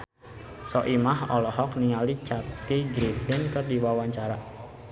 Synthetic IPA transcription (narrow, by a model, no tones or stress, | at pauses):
sɔʔimahɔlɔhɔkniŋalit͡ʃat̪iɡɾifɪnkədiwawaɲt͡ʃaɾa